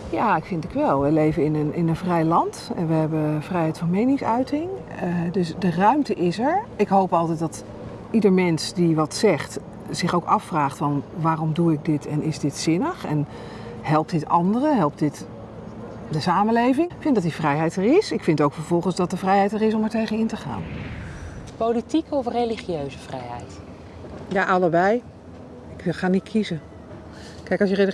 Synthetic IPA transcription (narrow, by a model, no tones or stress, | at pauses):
jaːɪkfɪntɪkʋɛlˠʋəlejvəɪnənɪnənvrɛjlɑntɛnʋəɦɛbəv̥rɛjɦɛjtfɑnmejnɪŋsœɥtɪŋ | dɵsdərœɥmtəʔɪsɛɹɪkɦowpɑlˠtɛjt̚dɑt | idəɹmɛnsdiʋɑtsɛχt | z̥ɪχowkɑfraːχtfɑnʋaːrɔmduɪk̚dɪtʰɛnɪzdɪtsɪnəχɛn | ɦɛlˠp̚dɪtɑndərəɦɛlˠp̚dɪt | dəsaːmənlejvɪŋkfɪntdɑtdivrɛjɦɛjtɛɹɪsɪkfɪntowkfəɹvɔlˠχənzdɑt̚dəvrɛjɦɛjtɛrɪs̬ɔmɛɹtejχənɪntəχa̰ːn | powlitikəɔfrejliχiøɥzəvrɛjɛ̰jt | jaʔɑləbɛj | ɪkχaːnitkʰizə | kɛjkɑsjəre